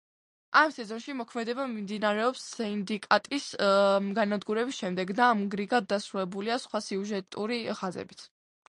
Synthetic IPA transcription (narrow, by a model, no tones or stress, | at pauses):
ʔamsɛzɔnʃimɔkʰmɛd̪ɛbamimd̪inaɾɛɔpsːɛind̪ikʼat̪ʼisɡanad̪ɡuɾɛbisʃɛmd̪ɛɡd̪aːmɡɾiɡad̪ːasɾulɛbuliasχwasiuʒɛt̪ʼuɾiχazɛ̰bit̪sʰ